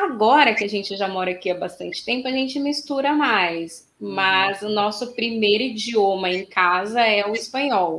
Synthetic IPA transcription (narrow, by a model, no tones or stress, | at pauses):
aɡɔɾɐkɪaʒẽnt͡ʃɪʒamɔɾakiabast̪ɐ̰̃nt͡ʃɪ̥t̪ẽmpʊɐʒẽnt͡ʃɪmist̪uɾɐmajs | mɐzʊnɔsʊpɾimejɾʊid͡ʒiõmɐẽj̃kazɐɛʊispɐ̃ɲɔw